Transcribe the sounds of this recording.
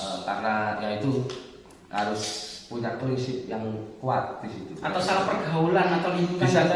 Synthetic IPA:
əka̰rnajaŋit̪u | ha̰ɾʊspuikapɾisɪp̚jaŋkua̰t̪̚d̪̥isit̪uʔat̪awsalapərɡaulanat̪awlikuk̪aa

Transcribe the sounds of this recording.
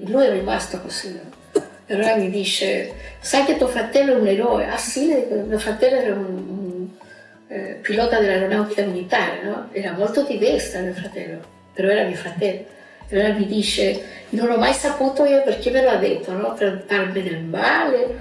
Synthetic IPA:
luɛrːimast̪okosinɔ | peɾɔɾamid̪it͡ʃḛsajk̪et̪ofɾat̪ɛlːɛuneɾɔḛʔasːimiofɾat̪ɛlːoɛɾaunun | pilɔt̪ad̪elalonawt̪ikamilit̪aɾḛnɔɛɾamolt̪od̪ivɛrsamiofɾat̪ɛ̰lːo | peɾɔɛɾamiofɾat̪ɛlːo | peɾɔɛɾamid̪it͡ʃenonɔmːajsapuːt̪oioperk̟emeload̪et̪ʰːonɔt̪ɾpaɾmed̪elmaːle

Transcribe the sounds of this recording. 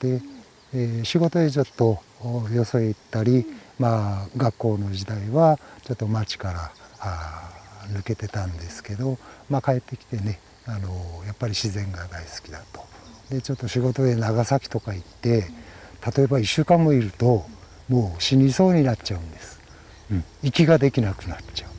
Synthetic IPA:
d̪̥e̞ | ɕiɡo̞t̪o̞d̪e̞t͡ɕo̞t̪ːo̞ | jo̞so̞it̪ːaɾʲimaɡakːo̞ːno̞d͡ʑid̪aiβat͡ɕo̞t̪ːo̞mat͡ɕi̥kaɾa | nɯke̞t̪e̞t̪ãnd̪e̞sɨ̥ke̞d̪o̞makae̞t̪ːe̞kʲi̥t̪e̞ne̞ | ano̞japːaɾʲiɕizẽ̞ŋɡad̪aisɨ̥kʲid̪at̪o̞̥ | d̪e̞t͡ɕo̞t̪ːo̞ɕiɡo̞t̪o̞d̪e̞naɡasakʲi̥t̪o̞kait̪ːe̞t̪at̪oe̞baiɕːɨːkãmːo̞iɾɯ̟t̪o̞ | mo̞ːɕiɲʲiso̞ːɲ̟inat͡ɕaɯ̟̃nd̪e̞sɨ̥ | ɯ̃ikʲiɡad̪e̞kʲinakɯ̟nat͡ɕaɯ̟

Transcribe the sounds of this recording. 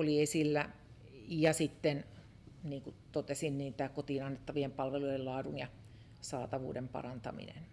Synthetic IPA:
oliesilːæ | jɑsit̪ːen | niːŋkut̪ot̪esinniːt̪ækot̪iːnɑnːet̪ːɑʋiempɑlʋeluielɑːdunjɑ | sɑːt̪ɑʋṵːdempɑ̰rɑnt̪ɑ̰mḭnḛn

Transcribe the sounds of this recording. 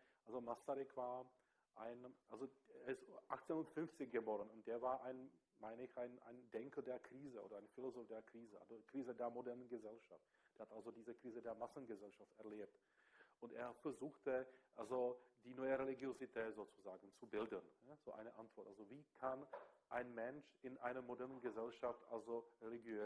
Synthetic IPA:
ʔalzomasaʁɪkv̥aːɐ | ʔaɪnʔalzoeɐɪstʔaχt͡seːnʊntfʏnft͡sɪçɡ̥əbɔːʁənʊnt̚d̥eːɐvaːɐʔaɪn | maɪnəɪçʔaɪnʔa̰ɪndɛŋkədeːɐkʁ̥iːzəʔo̰ːdɐaɪnfilozoːfd̥eːɐkʁ̥iːzəʔa̰lzokʁ̥iːzədeːɐmodɛɐnənɡəzɛlʃaft | d̥eːɐhatʔalzodiːzəkʁ̥iːzədeːɐmasn̩ɡəzɛlʃaftɛɐleːp̚t | ʔʊntʔeːɐfɛɐzuːxtəʔalzodiːnɔʏəʁeliɡjozitʰɛːtz̥oːt͡suzaːɡn̩t͡subɪldənaz̥oːʔa̰ɪnəʔantv̥ɔɐtʔalzoviːkʰanʔaɪnmɛnʃɪnʔaɪnɐmodɛɐnənɡəzɛlʃaftʔa̰lzoʁeliɡjøː

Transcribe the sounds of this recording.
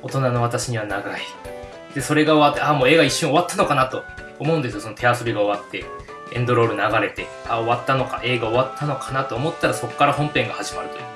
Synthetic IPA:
o̞t̪o̞nano̞βat̪aɕiɲ̟iβ̞anaɡai | d̪̥e̞so̞ɾe̞ɡao̞βat̪ːe̞amoːe̞ːɡaiɕːɨ̃o̞βat̪ːano̞kanat̪o̞ː | mo̞ɯ̃nd̪esɨjosonot̪ʰe̞asɨɾʲiɡao̞βat̪ːe̞ | ẽ̞̰nd̪o̞ɾo̞ːɾɯ̟naɡaɾe̞t̪e̞ | ao̞βat̪ːano̞ka̰ʔe̞ːɡao̞βat̪ʰːano̞kʰḁnat̪oːmo̞t̪ːaɾaso̞kkːaɾaɦõ̞mpẽ̞ŋɡahaʑimaɾɯ̟t̪o̞jɨ̟ː

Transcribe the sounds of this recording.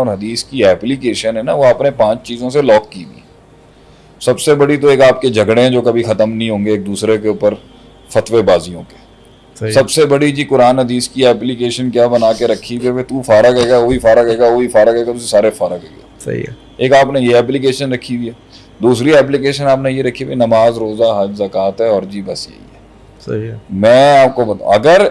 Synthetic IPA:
ɔːɾɦɐd̪iːskiɛːplikeːʃənɦɛnaʋoaːpnepãːt͡ʃt͡ʃiːzõselɔːkːiːɡḭː | sɐbsebɐɽit̪̬oeːkaːp̚ked͡ʒʱɐɡɽẽɦɛ̃d͡ʒoːkɐbʱixɐt̪əmnɐɦĩɦõːŋɡeeːk̚d̪uːsɾekeʊpəɾ | fɐt̪ʋebaːzijõke̥ː | sɐbsebɐɽid͡ʒikʊɾaːnɦɐd̪iːskiɛːplikeːʃənkjaːbənaːkeɾɐkʰːibeet̪ufaːɾəkɦɛːɡaoːifaːɾəkɦɛːɡaoːifaːɾakɛːɡat̪ʊsesaːɾefaːɾəkɦɛːɡa̰ːḭ | eːkaːpnejeɛːp̬lɪkeːʃənɾɐkʰːiwiɦɛː | d̪uːsɾiɛːp̬likeːʃənaːpnẽjeɾɐkʰːibenɐmaːzɾoːzaɦɐd͡ʒzɐkaːt̪ɦɛɔːɾd͡ʒiːbɐsjḛḭɛː | mɛ̃ːaːp̚kobɐt̪a̰ɐɡəɾ

